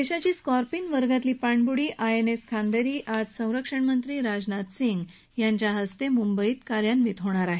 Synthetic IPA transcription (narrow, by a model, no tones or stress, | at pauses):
eɕat͡ɕiːskɔɾpiŋʋəɾɡat̪liːpaɳbuɽiːʔaeneskʰand̪eɾiːʔad͡zsə̃w̃ɾəkʂəɳmənt̪ɾiːɾad͡znat̪siŋɡ | jaɲt͡ɕjaɦəst̪emumbəiːt̪kaɾjanʋit̪ɦoɽ̃aɾaɦe